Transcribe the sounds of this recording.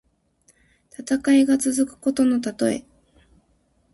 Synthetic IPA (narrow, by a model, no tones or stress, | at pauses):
t̪at̪akaiɡat͡sɨzɨkɯ̟̥ko̞t̪o̞no̞t̪at̪o̞ḛ